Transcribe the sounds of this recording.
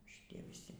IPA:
ʃʲɪˈtʲiɛ ʋʲɪˈsʲɪ

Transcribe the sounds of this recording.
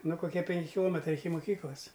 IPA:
ˈnʊ koːˈkʲiɛ pʲɛŋʲˈkʲɪ kʲɪˈlˠoːmʲɛtrɐɪ ɪkʲɪ moːˈkʲiːklˠɐs

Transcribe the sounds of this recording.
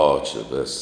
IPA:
ˈoː t͡ʃʲɛ ˈʋʲɪs

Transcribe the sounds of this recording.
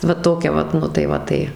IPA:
ʋɐ ˈtoːkʲɛ ˈʋɐt ˈnʊ tɐɪ ˈʋɐ tɐɪ

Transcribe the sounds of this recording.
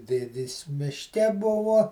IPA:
ˈdʲeːdʲeːs mʲɪʃʲˈkʲɛ ˈbʊʋoː

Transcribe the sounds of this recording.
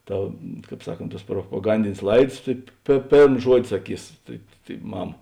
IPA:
ˈtɐ ˈkɑːp ˈsɑːˌkoːnt ˈtuɔs proːpoːˈɡɐnʲdʲɪnʲeːs ˈlˠɐɪts tɐɪ pʲeː ˈpʲeːrm ˈʒuɔdʲɪ sɐˈkʲiːs tɐɪ tɐɪ ˈmɐm

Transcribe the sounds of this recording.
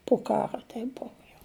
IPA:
pʊ ˈkɑːroː ˈtʲɛɪp ˈbʊʋʊ jɛʊ

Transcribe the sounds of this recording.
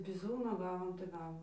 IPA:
bʲɪˈzuːnoː ˈɡɑːʋoːm tɐɪ ˈɡɑːʋoːm

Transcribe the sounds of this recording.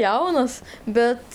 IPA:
ˈjɛʊnɐs ˈbʲɛt

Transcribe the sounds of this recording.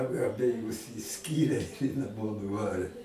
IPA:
ɐ ɐbʲɛˈjʊs ɪʃʲˈsʲkʲiːrʲeː ɪ nɐˈmoː nʊˈʋɑːrʲeː

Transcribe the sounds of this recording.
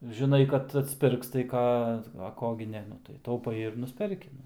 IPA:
ʒʲɪˈnɐɪ kɐt ɐtʲsʲˈpʲɪrks tɐɪ ˈkɑː ɐ ˈkoː ɡʲɪ ˈnʲɛ ˈnʊ tɐɪ tɐʊˈpɐɪ ɪr ˈnʊsʲpʲɛrʲkʲɪ

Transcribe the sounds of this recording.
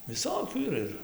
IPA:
ʋʲɪˈsoːkʲuː iːˈrɐ ˈɪr

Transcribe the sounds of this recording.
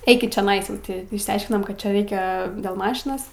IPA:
ˈɛɪkʲɪt t͡ʃʲoːˈnɐɪs jɛʊ ˈtʲɪ ɪʃʲsʲɛɪʃʲkʲɪnoːm kɐt ˈt͡ʃʲɛ ˈrʲɛɪkʲɛ dʲeːlˠ ˈmɑːʃʲɪnoːs

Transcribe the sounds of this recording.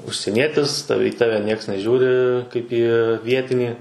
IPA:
ʊʃʲsʲiɛˈnʲiɛtʲɪs ˈtɑːʋʲɛ iː ˈtɑːʋʲɛ ˈnʲiɛks nʲɛˈʒʲuːrʲɪ kɐɪp ˈiː ˈʋʲiɛtʲɪnʲiː

